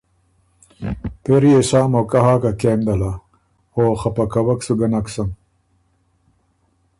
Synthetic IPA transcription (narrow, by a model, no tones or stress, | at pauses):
peɾieɕaːmokɐɦaːkakeːmd̪ɐla | oːxɐpɐkɐwɐksuɡɐnɐksɐm